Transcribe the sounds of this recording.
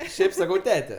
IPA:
ˈʃʲɛɪp sɐˈkɐʊ ˈtʲæːtʲɛ

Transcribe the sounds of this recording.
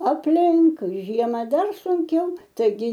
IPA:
ɐpʲˈlʲɪŋk ˈʒʲiɛmɐ ˈdɐr sʊŋʲˈkʲɛʊ tɐɪˈɡʲɪ

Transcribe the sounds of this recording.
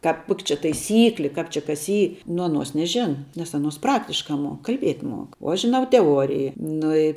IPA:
kɑːp ˈkoːkʲ t͡ʃʲɛ tɐɪˈsʲiːklʲɪ ˈkɑːp t͡ʃʲɪ kɐs ˈiː nʊ ɐˈnuɔs nʲɛˈʒʲæːnɐ nʲɛs ɐˈnuɔs ˈprɑːktʲɪʃkɐ ˈmuɔk kɐlʲˈbʲiɛtʲ ˈmuɔk oː ˈɐʃ ʒʲɪˈnɐʊ tʲɛˈuɔrʲɪjɪ ˈnʊ ɪ

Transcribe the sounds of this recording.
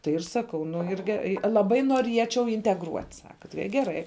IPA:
tɐɪ ɪr ˈsɑːkɐʊ nʊ ɪr ˈɡʲɛ lˠɐˈbɐɪ nuɔˈrʲiɛt͡ʃʲɛʊ ɪnʲtʲɛɡˈruɔtʲ ˈsɑːkɐ tɐɪ ɪ ɡʲɛˈrɐɪ

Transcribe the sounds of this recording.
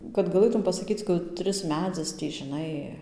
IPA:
kɐt ɡɐˈlˠɘtʊm pɐsɐˈkʲiːt͡s kɐˈtʲrʲɪs ˈmʲæːd͡zʲɪs ˈtʲiː ʒʲɪˈnɐɪ

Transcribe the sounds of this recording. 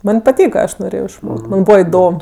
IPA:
ˈmɐnʲ pɐˈtʲiːkɐ ˈɐʃ noːˈrʲeːjoː ɪʃˈmoːkʲtʲ ˈmɐnʲ ˈbuːʋɐ ɪˈdoːm

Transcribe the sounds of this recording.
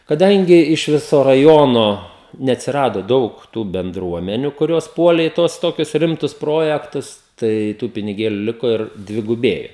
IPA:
kɐˈdɐŋʲɡʲɪ ɪʃ ˈʋʲɪsoː rɐˈjoːnoː nʲɛɐtʲsʲɪˈrɑːdoː ˈdɐʊk tuː bʲɛnˈdruɔmʲɛnʲʊ kʊˈrʲoːs ˈpuɔlʲeː ɪ ˈtuɔs ˈtoːkʲʊs ˈrʲɪmtʊs ˈproːjɛktʊs ˈtɐɪ ˈtuː pʲɪnʲɪˈɡʲeːlʲʊ ˈlʲɪkoː ɪr dʲʋʲɪɡʊˈbʲeːjoː

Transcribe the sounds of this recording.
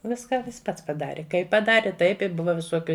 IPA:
ˈʋʲɪskɐ ˈjɪs ˈpɐts pɐˈdɑːrʲɪ ˈkɐɪp pɐˈdɑːrʲɪ ˈtɐɪp ɪ ˈbʊʋɐ ʋʲɪˈsoːkʲʊ

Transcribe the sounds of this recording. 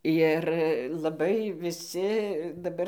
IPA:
ˈjɪr lˠɐˈbɐɪ ʋʲɪˈsʲɪ dɐˈbɐr

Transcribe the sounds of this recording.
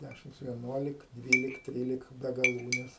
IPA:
ˈdʲæʃʲɪmt͡s ʋʲiɛˈnuɔlʲɪk ˈdʲʋʲiːlʲɪk ˈtʲrʲiːlʲɪk bʲɛ ɡɐˈlˠuːnʲɛs

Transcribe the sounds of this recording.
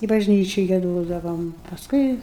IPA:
ɪ bɐʒʲˈnʲiːt͡ʃʲɪ ɡʲiɛˈdoːdɐʋoːm pɐsˈkʊɪ

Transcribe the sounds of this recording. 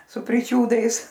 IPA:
sʊ pʲrʲɪˈt͡ʃʲuːdɐɪs

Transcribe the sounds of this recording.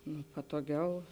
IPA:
nʊ pɐtoːˈɡʲɛʊ

